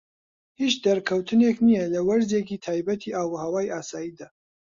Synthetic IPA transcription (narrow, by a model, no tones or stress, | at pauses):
hit͡ʃd̪ɐɾkʰɐwt̪ʰɨneknijɐlɐwɐɾzekiːt̪ʰaːjbɐt̪ʰiːʔaːwuhɐwaːjaːsaːjiːd̪aː